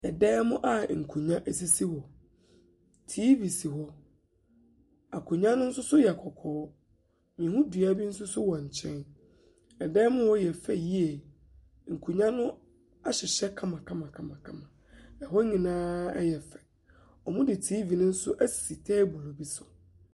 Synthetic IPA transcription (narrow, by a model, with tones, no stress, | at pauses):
ɛ˨dɛː˦mʊ̃˦ʔa˦˨ŋ̩˨kʰu˨ɲã˦ʔe˨s̬i˦si˦hɔ˨ | tʰiː˦vi˨si˨ɦɔ˦ | a˨kʰu˨ɲã˦nʊ̃˦n̩˦sʊ˦sʊ˦jɛ˨kʰɔ˨kʰɔː˨˦ | mĩ˨hũ˦du˨a˦bi˦n̩˦s̬ʊ˦sʊ˦wɔ˨ɲ̩˨t͡ɕʰɛ̃˦n | ɛ˨dɛː˦mʊ̃˦hɔ˦jɛ˨fɛ˦˨ji˦e˨ | ŋ̩˨kʰu˨ɲã˦nʊ̃˦ | a˦ɕɪ˨ɕɛ˦kʰã˦mã˨kʰã˦mã˨kʰã˦mã˨kʰã˦mã˨ | ɛ˨ɦɔ˦ɲĩ˨nãː˦ɛ̰˦jɛ˨fɛ̥˨ | ɔ˨mʊ̃˦dɪ˨tʰiː˦vi˨nʊ̃˦n̩˦sʊ˦ʔæ˦si̥˨si˨tʰɛː˦bu˨lo˨bi˦sʊ˨